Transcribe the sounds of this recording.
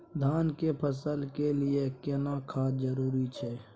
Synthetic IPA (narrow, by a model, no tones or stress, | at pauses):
d̪ʱaːnkepʰəsəlkelɪekɪnakʰaːd͡ʒəɾuːɾit͡ʃʰɛː